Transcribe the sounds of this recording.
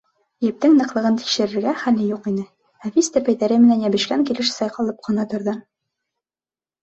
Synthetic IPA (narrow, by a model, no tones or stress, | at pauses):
jɘ̆p̚t̪ɘŋnɤ̆qlˠɤ̆ʁɤnt̪i̥kʃɘ̆ɾɘ̆ɾɡæχælɘjuqinɘ | æfʲist̪æpæjðæɾɘmɘ̆nænjæbɘ̆ʃkæŋkilɘʃsɑjqɑlˠɤp̚qʰŏnɑt̪ŏɾðɤ